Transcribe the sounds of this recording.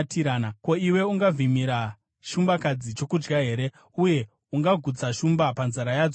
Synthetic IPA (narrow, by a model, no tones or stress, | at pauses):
tiɾaːnako̞iwe̞uŋɡavimiɾa | ʃumbakad͡zit͡ʃo̞kud͡ʒɡaɦe̞ːɾe̞ | uje̞ | uŋɡaɡʱut͡saʃumbapanzaɾajaːd͡zo